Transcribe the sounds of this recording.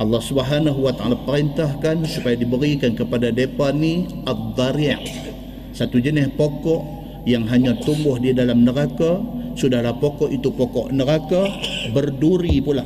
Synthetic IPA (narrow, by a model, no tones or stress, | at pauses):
ʔɑlːɑhsubəɦanaɦuwat̪aalapəɾint̪ahkansupajadibəɾikankəpadadepanːi | at̚d̪aɾiaʔ | sat̪ud͡ʒənɪhpokɔʔ | jaŋɦaɲat̪umbʊhdiadalamnəɾakasudahlahpokɔʔit̪upɔkɔ̰ʔnəɾakabərduɾipula